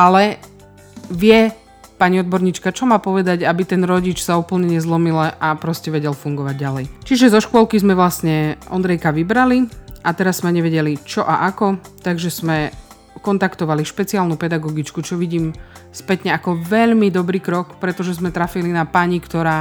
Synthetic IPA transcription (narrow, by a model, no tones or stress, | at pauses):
ʔalɛ | ʋɪɛ | paɲiɔd̪̚bɔɾɲiːt͡ʃkat͡ʃɔmaːpɔʋɛd̪aɟabit̪ɛnɾɔɟit͡ʃsauːpl̩ɲɛɲɛzlɔmilɛʔapɾɔscɛʋɛɟɛlfuŋɡɔʋaɟ̚ːalɛjt͡ʃiʒɛzɔʃkʊɔlˠkizmɛʋlast̪ɲɛʔɔ̰nd̪ɾɛjkaʋibɾaliʔat̪ɛɾazːmɛɲɛʋɛɟɛlit͡ʃɔʔaʔakɔt̪aɡʒɛz̥mɛ | kɔnt̪akt̪ɔʋaliʃpɛt͡siaːlnupɛd̪aɡɔɡit͡ʃkut͡ʃɔʋiɟiːmspɛt̪ɲɛakɔʋɛʎmid̪ɔbɾiːkɾɔkpɾɛt̪ɔʒɛzmɛt̪ɾafilinapaɲikt̪ɔɾaː